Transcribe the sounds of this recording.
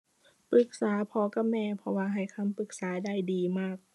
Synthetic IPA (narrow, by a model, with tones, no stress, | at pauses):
pɯ˧˩k̚saː˩˦pʰɔː˧ka˧˥mɛː˧˨pʰɔ˧waː˧ɦa˨˩jkʰa˧˥˨mpɯ˨˧˩k̚saː˩˦daː˥˩jdiː˧maː˥˩k̚